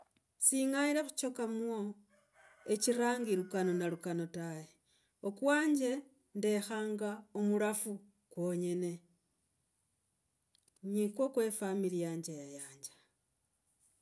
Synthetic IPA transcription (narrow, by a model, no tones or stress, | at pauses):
siŋaiɾaxu̥t͡ʃo̞kamuwo̞ | e̞ciɾaːŋɡiɾukano̞nalukano̞taje | okwaːɲd͡ʒe̞ | nde̞xaːŋɡaomuɾafu | kwoɲe̞ne̞ | ɲikwo̞kwe̞familijaːɲd͡ʒajajaːɲd͡ʒḁ